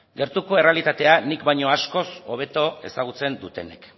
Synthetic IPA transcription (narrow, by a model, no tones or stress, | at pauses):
ɡe̞ɾt̪uko̞e̞re̞alit̪at̪e̞anikbajɲo̞asko̞so̞β̞e̞t̪o̞e̞saɣ̞ut͡se̞nd̪ut̪e̞̰ne̞̰k